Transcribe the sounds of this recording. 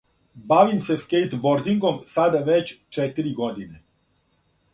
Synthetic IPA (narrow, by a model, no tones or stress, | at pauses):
baʋimseskejt̪boɾd̪iŋɡomsad̪aʋet͡ɕt͡ʂɛt̪iɾiɡod̪ine